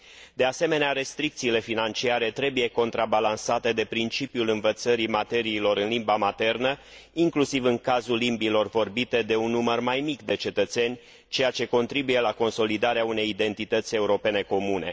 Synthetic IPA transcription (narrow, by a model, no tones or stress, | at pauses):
d̪e̞ase̞me̞neaɾe̞st̪ɾik̚t̪siːle̞finant͡ʃiaɾe̞t̪ɾe̞buje̞ko̞nt̪ɾabalansat̪e̞d̪e̞pɾint͡ʃipijulɨnvət̪səɾimat̪e̞ɾiːlo̞ɾɨnlimbamat̪e̞rnə | iŋklusivɨŋkazulːimbilo̞rvo̞rbit̪e̞d̪e̞unːumərmajmikd̪e̞t͡ʃe̞t̪ət̪se̞nʲ | t͡ʃe̞jat͡ʃe̞ko̞nt̪ɾibuje̞lako̞nso̞lid̪aɾeaune̞jid̪e̞nt̪it̪ət̪sʲe̞uɾo̞pe̞ne̞ko̞mune̞̰